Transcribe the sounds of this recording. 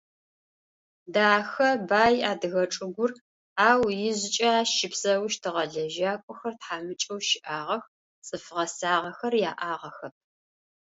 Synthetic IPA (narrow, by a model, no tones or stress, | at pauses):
daːxɐbaːjaːdɨɣɐʈ͡ʂʼɨɡʷʊr | aːwjɪʑɪt͡ʃʼaʃɪpsɐwʃtʰɨʁɐɮɐʒaːkʷʼɔxɐrtħaːmɨt͡ʃʼɐwʃɪʔaːʁɐx | t͡sʼɨfʁɐsaːʁɐxɐrjaːʔaːʁɐxɐp̚ʰ